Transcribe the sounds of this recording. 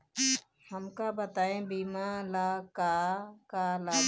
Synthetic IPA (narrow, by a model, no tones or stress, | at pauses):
həmkabət̪aːẽbiːmalaːkaːkalaː